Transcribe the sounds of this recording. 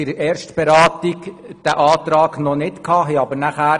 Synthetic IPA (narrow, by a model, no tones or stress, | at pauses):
ɪɾɛːɾʃtb̥ɛɾɑːt̪ik | d̥æʔɑːt̪ɾɑːɡnɔnɪtkʰhɑːɦɛɑbəɾnæχæː